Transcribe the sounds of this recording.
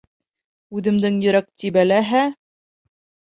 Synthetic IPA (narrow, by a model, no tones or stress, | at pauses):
ʉðɘ̆md̪ɘŋjɵ̆ɾækt̪ibælæɦæ